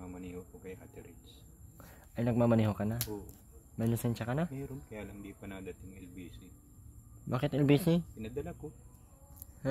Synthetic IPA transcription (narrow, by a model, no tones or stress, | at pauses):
mamɐnihokokɐjhat̪ɪɾɪt͡ʃ | ʔɐjnɐɡ̚mamɐniːhokɐnao | mɛnosɛnʃɐkɐnamɛɾonkɐjalɐŋbipɐnɐd̪ɐt̪ɪŋɛlbiːsɪ | ba̰ːkɪt̪ʔɛlbiːsipɪnɐd̪ɐlako | h